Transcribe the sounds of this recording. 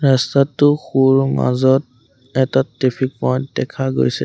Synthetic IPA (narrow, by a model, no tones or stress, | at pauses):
ɹastatːʊxuɹma̰zɔt̚ | ɛtatɹepʰik̚pɔjdɛkʰaɡo̰jsɛ̰